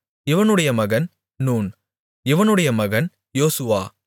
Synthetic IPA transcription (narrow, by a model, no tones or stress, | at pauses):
ɪʋɐnɯɽɐjɐmɐɣɐn | nuːn | ɪʋɐnɯɽɐjɐmɐɣɐn | joːsɯʋaː